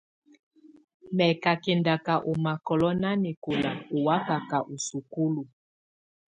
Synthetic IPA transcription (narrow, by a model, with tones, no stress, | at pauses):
mɛ˨ka˨kɛ˨nda˨ka˨ʔo˨ma˨kɔ˨lɔ˦na˦ni˨ko˨la˨u˨wa˦ka˨ka˨ʔu˨su˨ku˦lu˨